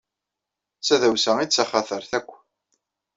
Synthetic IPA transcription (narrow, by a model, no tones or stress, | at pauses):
t͡sːæðæwsæit͡sːaχaθəɾθækʷː